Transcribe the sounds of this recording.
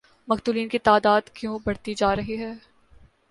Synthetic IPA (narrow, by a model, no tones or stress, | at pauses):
mɐqt̪uːliːnkit̪aːd̪aːd̪kjõːbɐɽt̪id͡ʒaːɾɐɦiɦɛː